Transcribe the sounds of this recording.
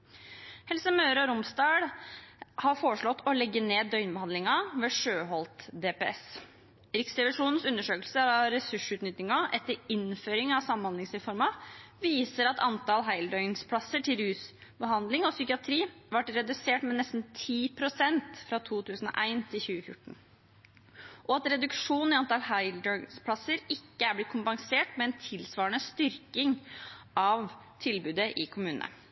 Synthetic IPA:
hɛlsəmœːɾɔɾʊmsd̪ɑːɽ | hɑɾfoːɾəʂɭɔt̪ːɔlɛɡːəneːdd̪œʏnbəhɑnd̪ɪŋɑʋeːʂøːɦɔlt̪d̪eːpeːɛs | ɾɪksɾɛʋɪʂuːnn̩sʉnːəʂøːklsəɑɾɛsʉʂʉːt̪nʏt̪nɪŋɑʔɛt̪ːəɾɪnføːɾɪŋɑʋsɑmənhɑnd̪ɪŋsɾɛfɔɾmɑ | ʋiːsəɾɑt̪ʰɑnt̪ɑlɦæɪld̪œʏnspʰlɑsəʈʰɪlɾʉːsbəɦɑnd̪lɪŋɔsʏkɪɑt̪ʰɾiːʋɑʈɾɛd̪ʉseːʈmɛnɛst̪n̩t̪ʰiːpʰɾʊsɛnt̪fɾɑt̪ʰuːt̪ʰʉːsn̩ɔ̰ʔæɪnt̪ʰɪlçʉːəfjʊ̰ʈːɳ̩ | ʔɔɑt̪ɾɛd̪ʉkʂuːnɪɑnt̪ɑlhɑɪld̪ɔʏnspʰlɑsːəɾɪkːəæɾblɪt̪̚kʰʊmpɑŋseːʈmɛɛnt̪ʰɪlsʋɑːəɳəst̪ʏɾkɪŋ | ɑʋ | t̪ʰɪlbʉːd̪əʔɪkʰʊmʉːnənə̰

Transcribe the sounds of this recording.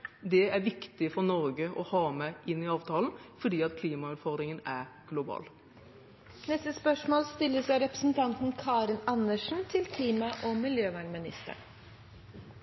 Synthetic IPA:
d̪ɛæɾʋɪkt̪ɪfɔɾnɔɾɡəʔɔhɑːmæɪnːɪɑːʋt̪ʰɑːln̩fɔɖiːɑt̪̚kʰliːmɑʉɾfɑːɾɪŋənæɾɡ̥lʊbɑ̰ːl | nɛst̪əspœʂmoːlst̪ɪlːəsæɪɾɛpɾə̥sn̩t̪ʰɑnt̪n̩kʰɑːɾɪnɑnːəʂn̩t̪ʰɪlkʰliːmɑʔɔmɪljøːʋæɳmɪnɪ̰st̪ə̰ɳ

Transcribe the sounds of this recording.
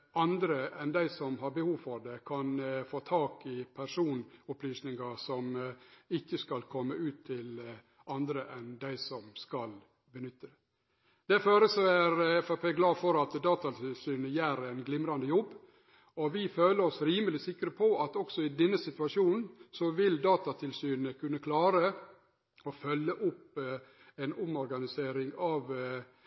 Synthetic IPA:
ɑnd̪ɾəɛnd̪æɪsɔmɦɑɾbəhuːʋfɔɾd̪ɛkʰɑnfoːt̪ʰɑːkɪpʰæɾʂuːnʊplyːsnɪŋɑsɔmɪkːəskɑlkʰɔmːəʉːt̪ʰːɪl | ʔɑnd̪ɾəʔɛnd̪æɪsɔmskɑl | bənʏt̪ːəd̪ɛ | d̪̥ɛføːɾəsɔæɾɛfɑpeːɡlɑːfɔɾɑt̪d̪ɑːt̪ɑt̪ʰɪlsyːnəjæːɾɛnɡlɪmɾɑnd̪əjɔbː | ɔʋɪføːləɾɔsɾiːməlɪsɪkːɾəpʰɔʔɑt̪ɔksɔɪd̪ɛnːəsɪt̪ʉɑʂuːnn̩sɔʋɪld̪ɑːt̪ɑt̪ʰɪlsyːnəkʰʉnːəkʰlɑːɾə | ɔfœlːəʔʊp | ɛnʊmɔɾɡɑnɪseːɾɪŋɑʋ

